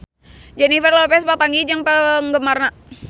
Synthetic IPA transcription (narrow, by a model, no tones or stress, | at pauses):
d͡ʒɛnifərlopɛspat̪aŋɡid͡ʒaŋpəŋɡəmarna